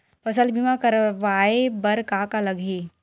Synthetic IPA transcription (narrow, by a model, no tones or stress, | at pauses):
pɐsəlbimakɐɾʋaːebɐɾkaːkalɐɡʱiː